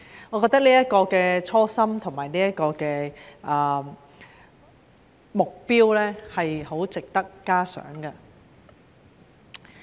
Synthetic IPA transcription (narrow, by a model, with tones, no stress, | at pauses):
ŋɔː˨˧kɔː˧k̚t̪ɐ˥k̚liː˥jɐ˥t̚kɔː˧kɛː˧t͡ʃʰɔː˥sɐ˥mt̪ʰʊ˨˩ŋmaː˨˩jniː˥jɐ˥t̚kɔː˧kɛː˧ʔɐ˨˧ | mʊ˨k̚piː˥wlɛː˥hɐ˨jho˨˥wt͡sɪ˨k̚t̪ɐ˥kːaː˥sœ̰ː˨˥ŋkɐ˧